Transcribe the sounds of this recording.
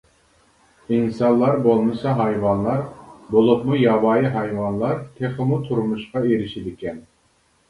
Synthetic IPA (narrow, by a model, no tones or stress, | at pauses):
insɑnlˠɑɾbolˠmɨsɑɦɑjwɑnlˠɑɾbolˠupmujɑwɑːjiɦɑjwɑnlˠɑɾt̪ʰeχəmut̪ʰuɾmuʃqɑeɾɪʃid̪ɪkʲɛn